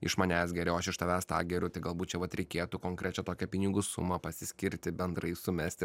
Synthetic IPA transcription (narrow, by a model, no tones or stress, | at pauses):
ɪ̰ʃmɐnʲæːsɡʲɛɾʲɛʊɐʃɪʃt̪ɐʋʲæːst̪ɑ̰ːɡʲɛɾʲʊt̪ɐɪɡɐlˠbuːt̪t͡ʃʲɛʋɐt̪ɾʲɛɪkʲeːt̪ukoːŋkɾʲɛt͡ʃʲɛt̪oːkʲɛpʲɪnʲɪɡʊsʊ̰mɐpɐsʲɪsʲkʲɪɾʲt̪ʲɪbʲɛnd̪ɾɐɪsʊmʲɛsʲt̪ʲɪ